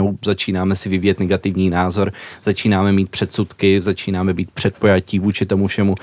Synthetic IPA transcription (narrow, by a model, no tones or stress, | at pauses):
owzat͡ʃiːnaːmɛsɪvɪviːjɛt̪nɛɡat̪ɪvɲiːnaːzo̞ɾz̥at͡ʃiːnaːmɛmiːt̪pr̝̥ɛt̪sut̪kɪzat͡ʃiːnaːmɛbiːt̪̚pr̝̥ɛt̪̚pojaciːvuːt͡ʃɪt̪o̞mufʃɛmu